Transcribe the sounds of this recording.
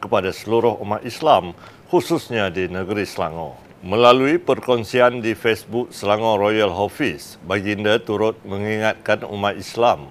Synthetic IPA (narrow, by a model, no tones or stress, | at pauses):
kəpadasəluɾʊhumat̪islam | hususɲadinəɡəɾisəla̰ŋɔ̰̃ | mə̃laluipərkɔnsiandifesbuk̚səlaŋɔ̃ɾojalɦofis | baɡindat̪uɾʊt̪̚mə̃ŋiŋat̪̚kanṵmat̪islam